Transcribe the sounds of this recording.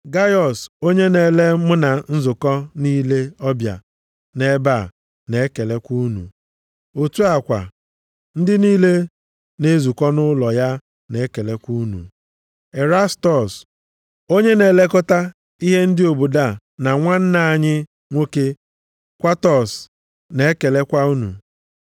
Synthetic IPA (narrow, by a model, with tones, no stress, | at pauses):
ɡa˦jɔ˨so˦ɲe˦ne˨le˦mʊ˦na˨n̩˦zʊ˨kɔ˦niː˦le˦ɔ˦bja̰˨ | ne˦ba˦˨ | ne˨˦ke˨le˦kʷu˦nṵ˨ | o˨tu˦a˨kʷa̰˨ | n̩˦dɪ˦niː˦le˦ | ne˦zu˨kʷɔ˦nʊ˦lɔ˨ja˦ | ne˨˦ke˨le˦kʷu˦nṵ˨ | e˨ɾa˦stɔ˨s | o˦ɲe˦ne˨le˦kʊ˦ta˦ | i˦ɦe˦n̩˦dɪ˦o˨bu˨da˦˨ | na˨ŋʷa˦n̩˦na˨ɲɪ˦ | ŋʷo˦ke˦ | kʷa˦tɔ˨s | ne˨e˦ke˨le˦kʷa˦u˦nṵ˨